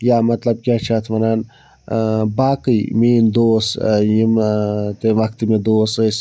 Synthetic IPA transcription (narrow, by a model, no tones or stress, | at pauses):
jaːmɐt̪lɐb̚kʲaːt͡ʃʰaːt̪ʰmɐnaːn | baːkɨjmeːnd̪oːsjimt̪eʋɐkt̪imed̪oːsəs